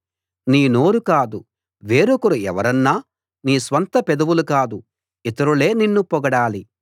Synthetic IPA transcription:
niːno̞ːɾukaːd̪u | ʋe̞ːɾokɐɾuɛ̰ʋɐɾɐnːaː | niːsʋɐnt̪ɐpɛd̪ɐʋulukaːd̪u | it̪ɐɾule̞ːninːupɔɡɐɽaːli

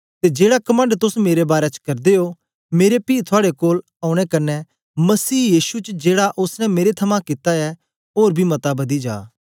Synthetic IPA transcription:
t̪ed͡ʒeːɽakɐmə̃ɳɖt̪ʊsmeːɾebaːɾɛt͡ʃkɐɾd̪eo | meːɾepiːt̪ʰʊaːɽekoːl | aːʊ̃ɽ̃ɛkɐnːɛ | mɐsiːjiːʃut͡ʃd͡ʒeːɽaʔʊsnɛ̃meːɾet̪ʰɐmãkɪt̪aɛ | oːɾbʱimɐt̪abɐd̪id͡ʒa̰ː

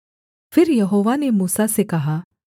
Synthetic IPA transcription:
fʰɪɾjɐɦoːʋanemuːsasekɐɦaː

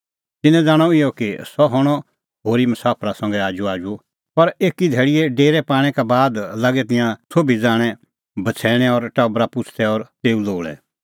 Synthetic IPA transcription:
t̪ɪnɛ̃d͡zaːɽ̃ɔɪjɔkisɔɦɔɽ̃ɔ | ɦoːɾimɐsaːpʰɾasɐ̃ŋ̆ɡɛaːd͡ʒuaːd͡ʒu | pɐɾeːkid̪ʱɛːɭɪjɛɖeːɾɛpaːɽ̃ɛkabaːd̪laːɡɛt̪ɪ̃jãsʰoːbʱid͡zaːɽ̃ɛ | bɐt͡sʰɛːɽ̃ɛɔɾʈɐbɾapʊt͡ʃʰt̪ʰɛɔːɾt̪eːũloːɭɛ̰

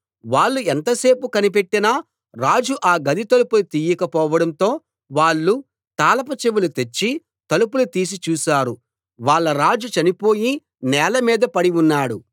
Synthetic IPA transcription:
ʋaːɭːuent̪ɐse̞ːpukɐnipe̞ʈːinɐ | ɾaːd͡ʒuʔaːɡɐd̪it̪ɐlupulut̪iːjɐkɐpɔːʋɐɽɐnt̪o̞ː | ʋaːɭːu | t̪aːlɐpɐt͡ʃeʋulut̪et͡ʃːi | t̪ɐlupulut̪iːs̬it͡ʃuːsaːɾu | ʋaːɭːɐɾaːd͡ʒut͡ʃɐnipo̞ːji | nɛːlɐmiːd̪ɐpɐɽiunːaːɽu

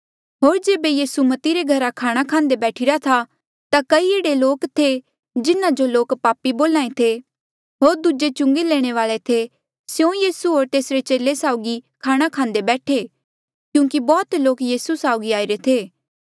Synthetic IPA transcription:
ɦoːɾd͡ʒeːbejiːsumɐt̪iɾeɡʱɐɾakʰaːɽ̃akʰãːnd̪ebɛːʈʰiɾat̪ʰa | t̪akɐieːɽeloːkt̪ʰe | d͡ʒɪnãd͡ʒoloːkpaːpːiboːlãːẽt̪ʰe | ɦoːɾd̪ud͡ʒet͡ʃʊ̃ŋɡeleːɽ̃eʋaːɭet̪ʰe | sjõjiːsuɦoːɾt̪eːsɾet͡ʃeːlesaːʊɡikʰaːɽ̃akʰãːnd̪ebɛːʈʰe | kjũːkibɔːt̪loːkjiːsusaːʊɡiaːiɾet̪ʰeː

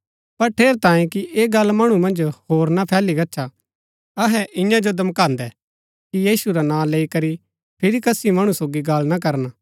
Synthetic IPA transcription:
pɐɾʈʰeːɾt̪ãːẽkiʔeːɡɐlmɐɽ̃umɐ̃nd͡ʒhoːɾnapʰɛːliɡɐtːʃʰa | ɐɦɛʔɪ̃jãd͡ʒod̪ɐmkãːnd̪ɛ | kijiːsuɾanãːleːikɐɾi | pʰɪɾikɐsimɐɽ̃usoːɡiɡɐlnak̬ɐɾn

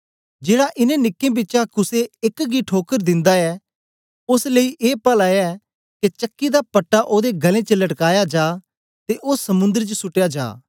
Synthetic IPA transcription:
d͡ʒeːɽaʔɪnẽnɪkːẽbɪt͡ʃakʊseɪkɡiʈʰoːkəɾd̪ɪ̃nd̪aɛ | ʊsleiʔeːpəlajɛː | ket͡ʃɐkːid̪apɐʈːaʔoːd̪eɡʱɐlẽt͡ʃəlɐʈkaːjad͡ʒaː | t̪eʔoːsɐmʊ̃nd̪əɾt͡ʃəsʊʈejad͡ʒa̰ː

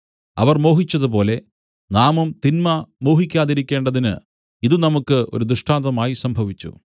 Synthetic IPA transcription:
ɐ̰ʋɐrmo̞ːɦit͡ɕːɐðup̬o̞ːle̞ | naːmɐmt̪inmɐmo̞ːɦikʲːaːðiɾikʲːeːɳɖɐðinɨ̰ | iðɨnɐmukːɨo̞̰ɾud̪ɾuʂʈaːnt̪ɐmaːjisɐmbʱɐʋit͡ɕːṵ

